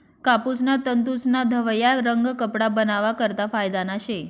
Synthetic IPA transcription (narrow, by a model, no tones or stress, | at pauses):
kapusnat̪ənt̪̬usnad̪ʱəʋəjaɾəŋɡkəpɽabənaʋakəɾt̪afajd̪anaʃe